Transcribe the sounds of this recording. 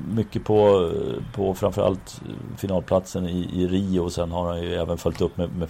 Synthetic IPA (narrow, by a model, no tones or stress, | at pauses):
mʏkːəpʰɔ | pʰɔfɾamfœɾʔa̰lt̪ | fɪnɑːlpʰlat̪sənɪʔɪɾiːʊsɛnːhaɾhanjɵɛːvənfœlʲt̪ɵpːmɛmɛ